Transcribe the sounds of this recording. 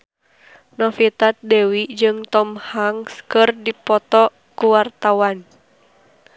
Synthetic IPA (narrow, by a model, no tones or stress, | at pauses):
nɔfit̪at̪̚dewid͡ʒɨŋt̪ɔmhaŋskɨrdipɔt̪ɔ | kuwart̪awan